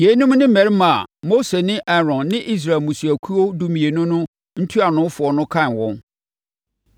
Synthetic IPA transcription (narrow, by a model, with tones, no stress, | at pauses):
je˨˦nʊ̃˦mnɪ̃˦mæ˨ɾi˦mã˨mo˦se˨nɪ̃˦ʔɛ˦ɾɔ̃˨nːɪ̃˦ʔi˦s̬ɾa˨lmũ˨su˨æ˨kʰu˦o˦du˦mĩ˨e˨nʊ̃˦nʊ̃˦ | n̩˦tʰu˦a˨nʊ̃˨˦fʊ˨ɔ˨nʊ̃˦kʰã˦˨nwɔ̃˦n